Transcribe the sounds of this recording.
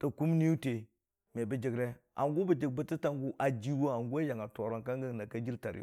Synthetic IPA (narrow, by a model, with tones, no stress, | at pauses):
ta˨ku˦mni˦u˦te˨ | me˨bə˨d͡ʒə˨ɡɾe˦a̰˨ŋɡo˦bə˨d͡ʒi˨ɡ̚bə˦ti˦ta˦ŋɡu˦ʔa˨d͡ʒi˦wo˦a˨ŋɡu˦a˦ja˨ŋa˨to˨ɾa˨ŋka˦ŋɡə˦ŋna˨ka˦d͡ʒi˦lta˨ɾḭ˦˨˦